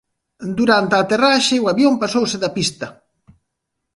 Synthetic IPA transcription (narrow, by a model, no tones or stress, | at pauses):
d̪uɾant̪eat̪eraʃeuaβjompasowsɪðapist̪ɐ